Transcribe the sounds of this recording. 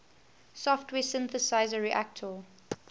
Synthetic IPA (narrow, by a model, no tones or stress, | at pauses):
sɔftʰwɛːsɪ̃nθəsaɪzəɹiʔæk̚tʰɔ